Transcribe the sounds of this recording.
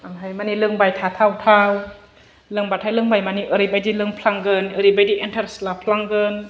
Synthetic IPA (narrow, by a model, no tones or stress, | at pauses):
aŋɦajmanilɯŋbajt̪ʰat̪ʰawtʰaw | lɯŋbatʰajlɯŋbajmaniʔəɾibajdilɯŋpʰlaŋɡɯnɯɾibajdiʔɛntʰaɾslapʰlaŋɡən